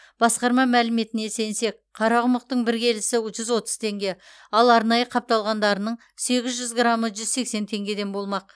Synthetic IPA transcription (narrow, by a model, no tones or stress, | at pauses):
b̥ɑsqɑɾmɑmælɪme̞t̪ɪne̞se̞nse̞k̚ | qʰɑɾɑʁʊməqt̪əɴbɪɾɡʲe̞lɪsɪʒʏzwo̞t̪əz̥t̪ʰe̞ŋɡʲe̞ | ɑlˠɑɾnɑjəqʰɑp̚t̪ɑlˠʁɑnd̪ɑɾənəɴ | se̞ɡʲɪzʒʏzɡɾaməʒʏzse̞kse̞nt̪ʰe̞ŋɡʲe̞d̪e̞nbo̞lˠmɑq̚